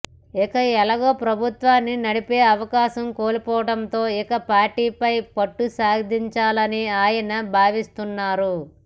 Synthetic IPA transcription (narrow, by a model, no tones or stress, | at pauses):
ikɐɛlɐɡoːpɾɐbʱut̪ʋaːnːinɐɽipeːɐʋɐkaːʃɐmkoːlupɔːʋɐɽɐnt̪o̞ːikɐpaːɾʈiːpɐjpɐʈːusaːɡɐd̪ʱiɲt͡ʃaːlɐniaːjɐnɐbʱaːʋist̪unːaːɾu